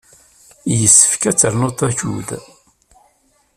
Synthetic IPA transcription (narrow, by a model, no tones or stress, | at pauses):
jəsːə̥fkæt͡sːəɾnot̪ˤːæçṵð